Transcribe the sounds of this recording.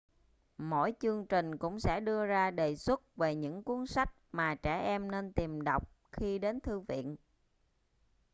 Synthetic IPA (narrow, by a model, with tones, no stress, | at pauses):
mo̰˧˥˨jt͡ɕɨ˧əŋt͡ɕï˨˩ŋ̟kʊ̰˧˥ŋ͡msɛ̰˧˥ɗɨ˧əzaː˧ɗe˨˩swə˦˥t̚ve˨˩ɲɨ̰˧˥ŋku˨˦ənsa˦˥jk̚maː˨˩t͡ɕɛ̰˧˩ʔɛ˧mne˧nt̪i˨˩mɗə˨˩wk͡p̚ | xi˧ɗe˨˦nt̪ʰɨ˧vḭ˧˨ənʔ